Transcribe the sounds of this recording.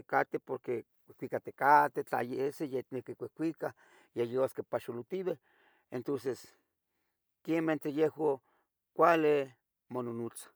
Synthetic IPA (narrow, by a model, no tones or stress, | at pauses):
ekat̪epoɾke | kʷehkʷikat̪ekat̪et͡ɬa̰jeesejenekekʷehkʷika | jejewaskepaʃulut̪iβe | ent̪onses | kement̪ɾejehwo | kʷale | mononut͡sḁ